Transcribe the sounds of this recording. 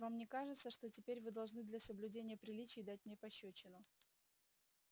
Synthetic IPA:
vamnʲekaʐɨt̪səʂt̪o̞tʲɪpʲeɾʲvɨd̪ɐlˠʐnɨd̪lʲɐsəblʲʉdʲenʲɪjəpɾʲɪlʲit͡ɕɪːd̪at̚ʲmnʲepɐɕːɵt͡ɕːɪnʊ

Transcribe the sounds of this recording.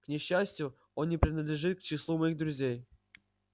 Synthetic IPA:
knʲɪɕːæsʲtʲjʊ | onːʲɪpɾʲɪnəd̪lʲɪʐɨt̪̚kt͡ɕɪslˠumɐjiɣd̪ɾʊzʲej

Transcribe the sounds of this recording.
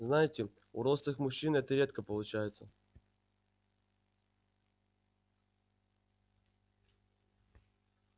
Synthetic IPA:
znajɪtʲɪ | ʊɾost̪ɨxmʊɕːinɛt̪əɾʲe̞t̪kəpəlˠʊt͡ɕæjɪt̪sə

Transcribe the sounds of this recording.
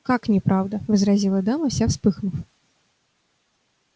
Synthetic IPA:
kaknʲɛpɾawd̪ɐvɨzɾazʲilˠɐd̪amɐsʲafspɨxnuw

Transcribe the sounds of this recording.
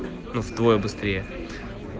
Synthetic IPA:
nuvd̪vojəbɨst̪ɾʲejə

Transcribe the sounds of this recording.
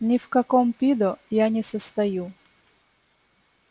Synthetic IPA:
nʲɪfkɐkɔmpʲid̪ɔjanʲɪsəst̪ɐju

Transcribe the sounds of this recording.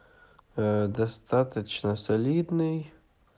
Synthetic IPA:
d̪ɐst̪at̪ət͡ɕnɐsɐlʲid̪nɨj

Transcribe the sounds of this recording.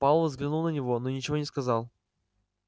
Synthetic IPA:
palˠvəzɡlʲɪnulˠnənʲɪvo̞nonʲɪt͡ɕɪvonʲɪskɐzɑlˠ

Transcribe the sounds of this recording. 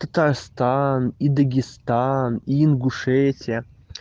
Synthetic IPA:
t̪ət̪arst̪anid̪əɡʲɪst̪aniːnɡʊʂɛtʲɪə

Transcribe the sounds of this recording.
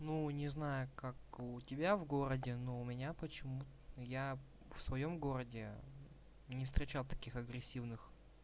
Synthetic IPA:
nunʲɪznajʊkakʊtʲɪbʲavɡoɾədʲɪnoʊmʲɪnʲapət͡ɕɪmut̪ja | fsvɐjo̞mɡo̞ɾədʲɪ | nʲɪfst̪ɾʲɪt͡ɕalˠt̪ɐ̥kʲixɐɡɾʲɪsʲːivnɨx

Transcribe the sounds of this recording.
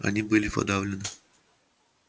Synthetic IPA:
ɐ̰nʲibɨlʲɪpɐ̰d̪avlʲɪnɨ

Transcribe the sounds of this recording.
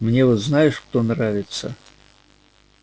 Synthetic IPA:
mnʲevɔt̪znajɪʂkt̪onravʲɪt̪sə̰

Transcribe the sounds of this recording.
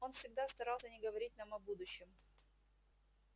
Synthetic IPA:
o̞nfsʲɪɡ̚d̪ast̪ɐɾalˠsʲənʲɪɡəvɐɾʲit̚ʲnamɐbud̪ʊɕːɪm

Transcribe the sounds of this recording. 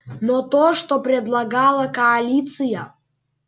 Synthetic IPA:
not̪oʂt̪opɾʲɛd̪lˠɐɡalˠɐkɐːlʲit̪sɨjɐ

